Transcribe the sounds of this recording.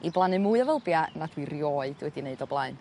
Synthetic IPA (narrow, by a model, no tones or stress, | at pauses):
iblˠanɨmuːɨavəlˠbjanadwirjɔɨd̥wɛdineɨdɔblˠaɨn